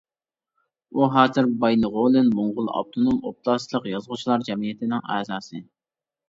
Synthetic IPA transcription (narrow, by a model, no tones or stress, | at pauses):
uɦɑːzɨɾbɑjnɨʁolˠɨnboɴʁʊlˠɑ̰b̚t̪ʰonomop̚lˠɑslˠəqjɑzʁʊt͡ʃʰlˠɑɾd͡ʒɛmijɪt̪ʰɪnɪŋæːzɑːsɨ